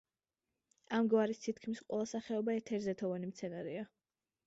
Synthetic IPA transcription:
amɡvaɾist̪ʰit̪kʰmisqʼwɛlˠasaχɛɔbaɛɾt̪ʰɛɾzɛt̪ʰɔvanimt̪sʰɛnaɾia

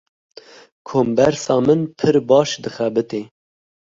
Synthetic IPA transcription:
kʰoːmbɛɾsɑːmɨnpʰɨɾbɑːʃd̪ɨxɛbɨt̪eː

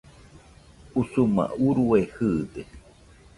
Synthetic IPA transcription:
usuma̰uɾuehɨd̪e

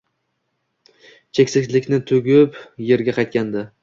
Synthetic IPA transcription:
t͡ʃʰekʲsɪkʲlɪkʲnɪt̪ʰʊɡʲɪpje̞ɾɡʲaqʰɑjt̪̚kʲand̪ɪ

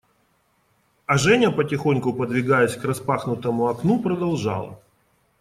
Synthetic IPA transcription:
ɐʐɛnʲəpətʲɪxo̞nʲkʊpəd̪vʲɪɡajɛsʲkrɐspaxnʊt̪əmʊɐknupɾəd̪ɐlˠʐɑ̰lˠə̰

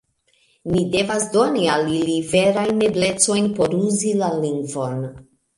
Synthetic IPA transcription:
mide̞vasdo̞nialilive̞ɾajnːe̞ble̞t͡so̞jnpo̞ɾuzilaliŋɡvo̞n

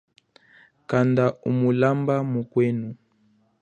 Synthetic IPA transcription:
kandaṵmulambamukwenu

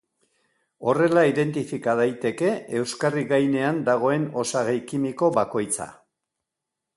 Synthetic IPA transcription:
o̞re̞laiðe̞nt̪ifikað̞ajt̪e̞ke̞ewskariɣajne̞and̪aɣ̞o̞e̞no̞saɣejkimiko̞βako̞jt͡sa̰

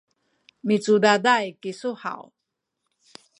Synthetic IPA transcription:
mit͡sudadajkisuha̰w

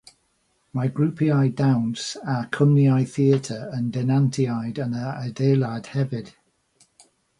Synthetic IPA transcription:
maɡɹuˑpʰiajdawnsakʰəmniajθiətʰəəndɛnantʰiajdənəədeːlˠad̥hɛvɪd̥

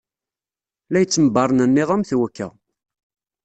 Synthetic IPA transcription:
læjət͡sːəməbɑɾˤnənːɪðˤæmθwækːæ̰

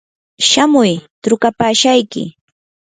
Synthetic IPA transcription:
ʃamʊjt̪ɾʊkapaːʃajkɪ̰

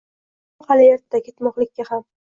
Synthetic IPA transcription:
halɪjaɾt̪d̪akʲʰe̞t̪mɒqlɪkʲːaham

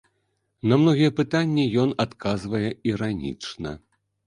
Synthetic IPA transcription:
nɐmnɔɣʲijɛpɨt̪anʲːijɔnat̪kʰazvɐjɛiɾanʲḭt͡ʂnɐ̰

